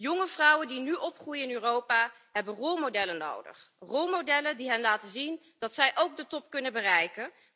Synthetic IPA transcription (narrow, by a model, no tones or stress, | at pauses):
jɔŋəvrʌwəndinyʔɔpχrujəɪnyːrowpaː | ɦɛbənrolˠmodɛləno̰wdə̰χrolˠmowdɛlədiɦɛnlaːtəzin | d̥ɑtsɛjʔowɡ̚dətɔp̚kɵnəbərɛjkən